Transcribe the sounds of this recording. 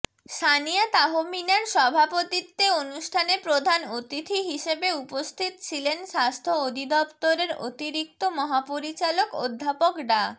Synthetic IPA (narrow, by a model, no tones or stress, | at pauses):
ʃaniat̪aɦominaɾʃɔbʱapot̪it̪ːeonuʃʈʰanepɾod̪ʱanot̪it̪ʰiɦiʃebeupost̪ʰit̪t͡ɕʰilenʃast̪ʰood̪ʱid̪ɔpt̪oɾeɾo̰t̪iɾik̚t̪omɔɦapoɾit͡ɕaloko̰d̪ʱːapokɖa